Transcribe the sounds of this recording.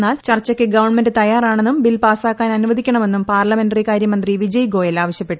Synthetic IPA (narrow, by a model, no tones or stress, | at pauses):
aːlt͡ɕɐrt͡ɕːɐkʲːɨɡɐʋɐrɳme̞ndɨt̪ɐjaːraːɳe̞nːumbilpaːsaːkːaːnɐnuʋɐðikʲːɐɳɐme̞nːumpaːrɭɐme̞nɖɐrikaːɾjɐmɐnd̪riʋid͡ʑɐjɡo̞ːjɐlaːʋɐɕjɐpːe̞ʈː